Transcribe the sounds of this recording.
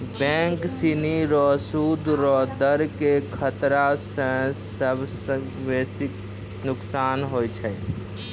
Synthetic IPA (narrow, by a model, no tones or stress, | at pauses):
bɛ̃ːŋksiniɾɔːsuːd̪ɾɔːd̪əɾkekʰət̪ɾasə̃səbsə | ʋeːsɪk | nʊksaːnɦoːjt͡ʃʰɛ